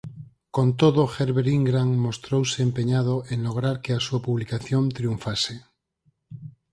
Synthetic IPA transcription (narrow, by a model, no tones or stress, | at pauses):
kont̪oðoxeɾβeɾiŋɡɾaŋmost̪ɾowseːmpeɲað̞oʔeŋloɣ̞ɾaɾkeasuapuβlikaθjont̪ɾiuɱfase